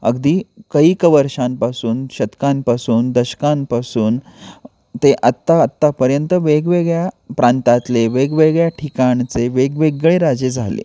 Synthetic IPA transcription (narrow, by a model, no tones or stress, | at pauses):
ə̰ɡd̪iːkəiːkəʋəɾɕãmpasuːnɕət̪kampasuːnd̪əɕə̥kampasuːn | t̪eʔat̪ːaət̪ːapəɾjənt̪əʋeɡʋeɡɭjapɾãnt̪at̪leʋeɡʋeɡɭjaʈʰikaɳt͡seʋeɡʋeɡɭeɾad͡zed͡zʱalḛ